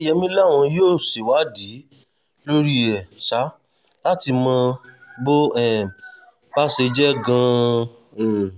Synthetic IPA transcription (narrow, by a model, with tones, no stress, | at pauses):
jɛ˧mĩ˧˦la˦˨w̃ɔ̃˧joː˦˨se˨wa˨˦di˨˦ | lo˦ɾi˦ɛ˨ʃa˨˦ | la˦ti˧mɔ̃˧bo˦ɛ˦˨ | ba˦se˧d͡ʒɛ˦ɡã˧˨